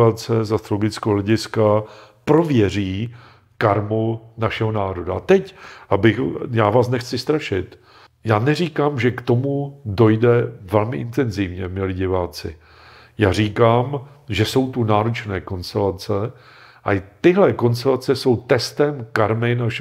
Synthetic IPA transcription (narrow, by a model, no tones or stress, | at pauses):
at͡sɛzast̪ɾoloɡɪt͡skɛɦolɛɟɪska | pɾo̞vjɛr̝iː | kaɾmunaʃɛɦonaːɾo̞daa̰t̪ɛcʔabɪxjaːvaːsnɛxt͡sɪst̪ɾaʃɪt̪ | jaːnɛr̝iːkaːmʒɛkt̪o̞mudo̞jdɛvɛlmɪʔɪnt̪ɛnzɪvɲɛmɪlɪɟɪvaːt͡sɪ̰ | jaːr̝iːkaːm | ʒɛso̞wt̪unaːɾot͡ʃnɛːko̞nst̪ɛlat͡sɛ | ʔat̪ɪɦlɛko̞ns̬t̪ɛlat͡sɛso̞wt̪ɛst̪ɛmkaɾmɪnaʃ